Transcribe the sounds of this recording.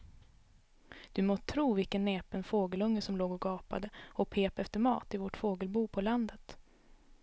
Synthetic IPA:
d̪̥ɵmot̪ʰɾuːvɪlkənːeːpənfoːɡəlɵŋːəsɔmloːɡɔɡɑːpa̰d̪əɔpʰeːpɛft̪əɾmɑ̰ːt̪ɪvɔʈfoːɡəlbuːpʰɔland̪ət̪

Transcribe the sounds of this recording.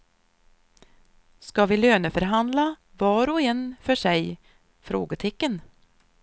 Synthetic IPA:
skɑʋiːløːnəfœɾɦand̪la | vɑːɾɔɛnfœʂɛɪ | fɾo̰ːɡət̪ʰɪkːən

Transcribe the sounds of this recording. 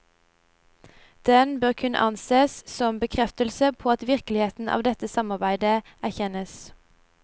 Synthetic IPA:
d̪̥ɛnbøːʁkʰʉnə̰ʔɑnseːssɔmbəkʰʁɛft̪əlsəpʰoːɑt̪ʋɪʁklɪheːt̪n̩ʔɑ̰ːʋd̪ɛt̪əsɑmɑʁbæɪd̪ə | æʁçɛnəs

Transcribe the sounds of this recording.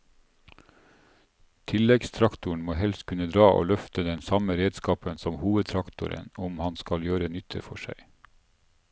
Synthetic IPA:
t̪ʰɪlɛɡst̪ʰɾɑkt̪ʊɳ̩moːhɛlst̪kʰʉnəd̪ɾɑːʔo̰ːlœft̪əd̪ɛnsɑməɾeːd̪skɑːpənsɔmhuːʋəd̪̚t̪ʰɾɑkt̪ʊ̰ɾə̰nʊmhɑnskɑljøːɾənʏt̪ʰə̰fɔʃæ̰ɪ

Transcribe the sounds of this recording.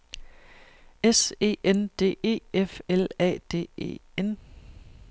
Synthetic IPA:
ese̝̰ːʔend̥e̝̰ːe̝̰ːefelɛ̰ːd̥e̝̰ːe̝̰ːen

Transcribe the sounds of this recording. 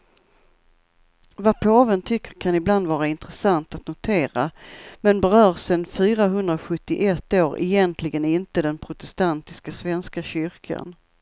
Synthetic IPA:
vapʰoːvənt̪ʰʏkːəɾkʰanɪbland̪vɑːɾaɪnt̪ɾɛsant̪at̪nʊt̪ʰeːɾamɛnbɛɾœːɾsɛnfyːɾaɦɵnd̪ɾaɧɵt̪ːɪʔɛt̪ːoːɾɛ̰jɛnt̪ʰlɪɡənɪnt̪əd̪ɛnpʰɾʊt̪ɛst̪ant̪ɪskasvɛnskaɕʏɾkʰa̰n

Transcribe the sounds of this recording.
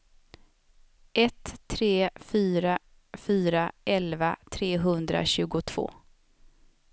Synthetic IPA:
ʔɛt̪ʰːɾeːfyːɾa | fyːɾaʔɛlvat̪ʰɾeːɦɵnd̪ɾa̰ɕʉ̟ːɡʊt̪ʰv̥o̰ː

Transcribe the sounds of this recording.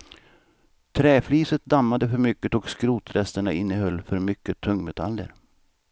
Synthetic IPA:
t̪ʰɾɛːflyːsət̪̚d̪amːad̪əfœɾmʏkːət̪ɔkskɾuːt̪ɾɛst̪əɳaɪnːəhœlːfœɾmʏkːət̪ʰɵŋːmɛt̪ʰalːə̰ɾ

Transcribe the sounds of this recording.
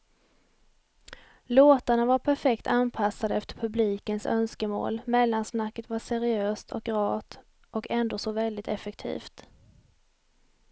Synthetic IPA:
loːt̪aɳavaɾpʰæɾfɛkt̪ʰanpʰasːad̪əɛft̪əɾpʰɵbliːkənsœ̰nskəmo̰ːlmɛlːansnakːət̪vaʂɛɾɪøːst̪ʰɔ̰k̚ɾɑːt̪ | ɔkʰɛnd̪oːsɔvɛld̪ɪt̪ʰɛfɛk̚t̪ʰḭːft̪

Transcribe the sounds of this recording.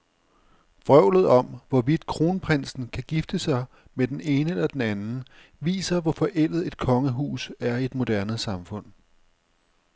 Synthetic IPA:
b̥ʁœʊ̰lð̞̩ˠɒ̽mʋɒʋid̥̚kʰʁo̝ːnəpʰʁen̰sn̩kʰæɡ̥ifd̥əsɑ̈ɪ | med̥ene̝ːnəelɐd̥enænn̩ | ʋḭːsɐʋɒfɒʔel̰ð̩ˠe̝d̥̚kʰɒ̽ŋəɦṵːsæɐie̝d̥mo̝d̥æɐnəsɑ̈mfɔ̽n̰

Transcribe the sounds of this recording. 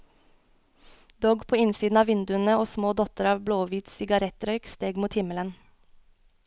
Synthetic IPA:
d̪ɔːɡpʰoːɪnsiːd̪n̩ɑːʋɪnd̪ʉənəoːsmoːd̪ɔt̪əɾɑːʋbloːʋiːt̪sɪɡɑɾɛt̪ɾœʏkst̪eːɡmuːt̪hɪmələn

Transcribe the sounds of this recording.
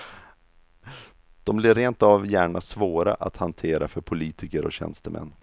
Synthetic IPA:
d̪̥ɔmblɪɾːeːnt̪avjæːɳasvoːɾa̰ʔat̪hant̪ʰeːɾafœɾpʰʊliːt̪ʰɪkəɾɔ̰ɕɛ̰nst̪əmʔɛ̰nː

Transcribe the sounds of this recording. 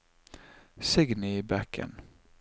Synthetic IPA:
sɪɡnɪbækʰə̰n

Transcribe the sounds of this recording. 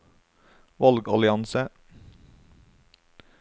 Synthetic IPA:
ʋɑlɡɑlɪɑnsə

